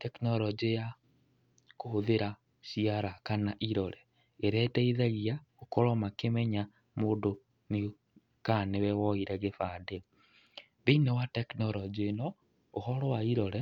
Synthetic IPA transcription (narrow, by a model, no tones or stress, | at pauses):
tɛknɔɾɔd͡ʒeja | kooðeɾa | ʃiaɾakanaʔiɾɔɾɛ | eɾɛtɛiðaɣiaokoɾɔmakemɛɲa | moːndo | ne | kanewɛwɔiɾɛɣefade | βeinɛwatɛknɔɾɔd͡ʒinɔ | ohɔɾɔwaiɾɔɾɛ